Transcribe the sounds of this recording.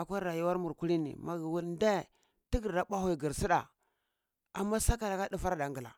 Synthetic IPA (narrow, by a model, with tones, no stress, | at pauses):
a˨kʷa˦ɾa˨ju˦wa˦ɾmu˨ɾku˦li˦nḭ˨ma˨ɡi˨wu˦lnda˦˨ | ti˦ɡi˨ɾda˦ɓa˦hu˦˨i˨ɡi˨ɾsi˦ɗa̰˨ | a̰˨mːa˦sa˦ka˨la˨ka˦du˦fa˦ɾda˨ŋɡi˨la̰˨